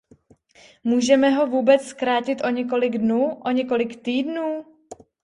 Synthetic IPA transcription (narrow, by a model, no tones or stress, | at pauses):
muːʒɛmɛɦo̞vuːbɛt͡sskɾaːcɪt̪ʔo̞ɲɛk̬o̞lɪɡdnuːʔo̞ɲɛko̞lɪkt̪iːdnuː